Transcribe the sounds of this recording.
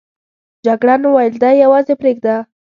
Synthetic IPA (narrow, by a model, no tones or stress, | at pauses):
d͡ʒaɡɽanawajld̪ajawɑzepɾeɡ̚d̪a